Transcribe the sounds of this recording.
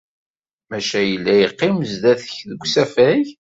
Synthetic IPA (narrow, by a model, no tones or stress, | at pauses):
mæʃæjəlːæjəqːimzd̪æθə̥çðəɡʷsæfæʝ